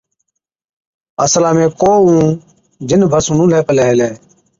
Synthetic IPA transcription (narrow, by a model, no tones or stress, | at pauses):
ə̰slãːmẽːkoːũː | d͡ʒɪnbʱəsʊnũːleːpəleːɦleː